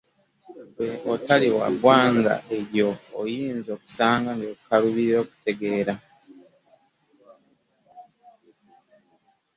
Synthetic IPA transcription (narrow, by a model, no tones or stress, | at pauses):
weotaliwa̰bwaːŋɡa̰ʔe̞ɾjo̞ːjiːnzo̞ːku̥saːŋɡaŋɡeːkukaɾuβiɾiɾo̞ːku̥te̞ɡeːɾa